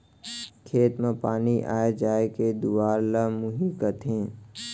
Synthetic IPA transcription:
kʰeːt̪mẽpaːniʔa̰ːed͡ʒaːeked̪uwaːɾləmuɦikət̪ʰɦẽː

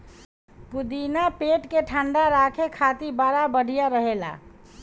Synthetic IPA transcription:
pud̪inapeʈkeʈʰaɳɖaɾakʰekʰat̪ibaɾabəɽʱijaɾəɦela̰

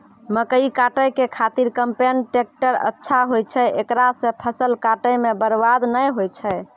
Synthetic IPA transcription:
məkəikaʈəjkekʰat̪iɾkəmpenʈek̚ʈəɾə̰tːʃʰaɦojt͡ʃʰɛekɾasẽpʰəsəlkaʈəjmebəɾbad̪nəjɦojt͡ʃʰɛ

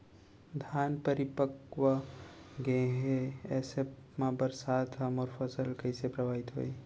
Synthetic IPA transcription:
d̪ʱaːnpəɾɪpəkʋəɡẽɦeɛsepmãbəɾsaːt̪əmɔːɾfʰəsəlkəɪsepɾəʋaːɪt̪ɦo̰ːi

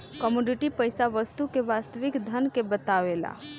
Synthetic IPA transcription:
kɔmuɖiʈipəjsaʋəst̪ukeʋaːst̪əʋɪkd̪ʱənkebət̪aʋela̰

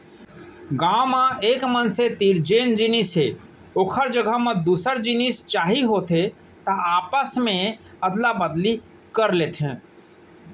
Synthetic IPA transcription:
ɡaːmãeːkmənset̪iɾd͡ʒeːnd͡ʒinisɦe | oːkʰəɾd͡ʒəɡʱəmẽd̪uːsəɾd͡ʒinist͡ʃaːɦiɦoːt̪ɦe | t̪əaːpəsmẽ | əd̪labəd̪li | kəɾleːt̪ɦɛ̃ː

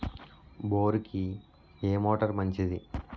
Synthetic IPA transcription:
boːɾuki | eːmoːʈɐɾmɐɲt͡ʃid̪i

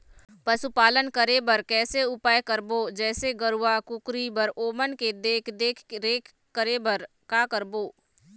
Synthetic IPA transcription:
pɐsupaːlənkɐɾebəɾkɛːseʊpaːjkəɾboːd͡ʒɛːseɡəɾʊʋakʊkɾibɐɾoːmənked̪eːkʰd̪eːkʰɾeːkʰ | kːəɾebɐɾ | kaːkəɾboː

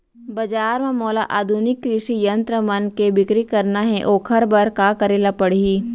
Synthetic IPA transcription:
bɐd͡ʒaːɾmẽmoːlaʔaːd̪ʱunɪkːɾɪʃijɐ̃nt̪ɾəmɐnkebɪkɾikɐɾnaɦɛʔoːkʰɐɾbɐɾkakɐɾeːlapɐɽiiː

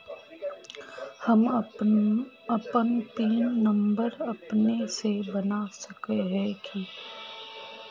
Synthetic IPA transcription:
hɐm | ɐpənt̪iːnːɐ̃mbəɾɐpnesebɐnasɐkeɦɛki

